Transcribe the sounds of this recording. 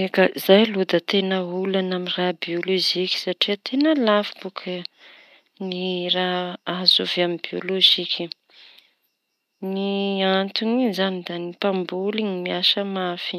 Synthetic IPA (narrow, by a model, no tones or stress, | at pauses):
ekəzajlud̪ət̪enəulanaminrabioloʒikʲi̥saʈ͡ʂiət̪ʰenəlafibukʰə | niraɦaɦzovaminbio̰loʒikʲʰi | niant̪unizanid̪anipambulinimiaʃəmafi̥